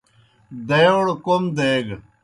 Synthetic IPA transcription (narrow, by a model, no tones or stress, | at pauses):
d̪ɐjɽkomd̪eːɡ